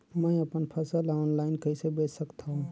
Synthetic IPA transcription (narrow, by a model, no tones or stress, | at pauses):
mə̃ĩɐpənpʰəsəlɔːnlaːɪnkɐisebeːsəkt̪ʰaɦũː